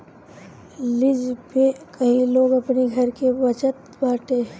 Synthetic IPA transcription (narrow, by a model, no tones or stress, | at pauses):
lɪd͡ʒpekɐɦiloːɡɐpniɡʱɐɾkebɐt͡ʃət̪̚ | baːʈe